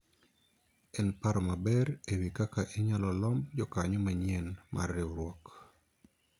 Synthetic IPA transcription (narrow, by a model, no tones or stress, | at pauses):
ɛnpaɾɔmabɛɾewikakaʔeɲalɔlɔmd͡ʒɔkaɲɔmaɲiɛnmʔa̰rːewɾwɔk